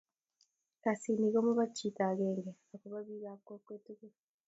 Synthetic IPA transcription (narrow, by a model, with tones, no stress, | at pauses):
ka˨si˨ni˨ɣo˦mu˦βa˦cːi˨ta˨ɣeːŋɡea˨kuβa˦βi˦ɾakwo˦kweːteɣe